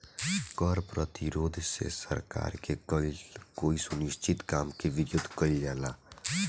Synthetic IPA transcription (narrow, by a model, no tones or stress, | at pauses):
kɔɾpɾət̪iɾoːd̪ʱsḛsə̰ɾka̰ːɾke | koːisʊnɪʃt͡ʃɪt̪kaːmkeʋɪɾjʊd̪ʱkəid͡ʒaːlaː